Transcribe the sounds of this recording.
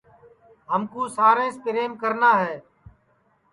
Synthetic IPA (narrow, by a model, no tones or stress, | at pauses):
ɦəmkuːsaːɾẽːspɪɾeːmkəɾnaːɦɛː